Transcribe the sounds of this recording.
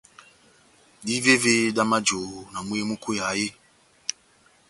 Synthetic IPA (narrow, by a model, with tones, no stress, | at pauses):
di˦ve˦ve˦da˦ma˦d͡ʒo˨na˨mu˦e˦mu˦kʰu˦ja˨˦je˦